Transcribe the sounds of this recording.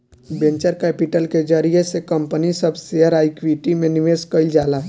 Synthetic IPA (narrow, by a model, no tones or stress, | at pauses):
bẽɲt͡ʃəɾkɛːpiʈəlked͡ʒəɾiesekəmpənisəbʱseəɾaːɪkʋiʈimẽnɪʋeːskəɪld͡ʒaːlaɦ